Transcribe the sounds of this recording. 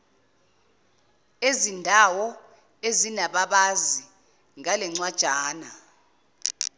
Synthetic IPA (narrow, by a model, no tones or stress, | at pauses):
ezindʱawɔ | ezinaɓaɓazi | ŋalɛŋ͡ǀwad̥ʒ̥ʱaːna